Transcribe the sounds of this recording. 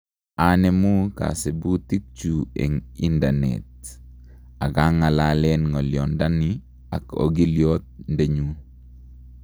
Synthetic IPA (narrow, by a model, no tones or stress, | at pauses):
anemuka̰sebutik̚t͡ʃuḛŋindanḛt̚ | aɡaŋalalɛnŋɔljɔndani | a̰ko̰ɡiljot̪̚ndeɲu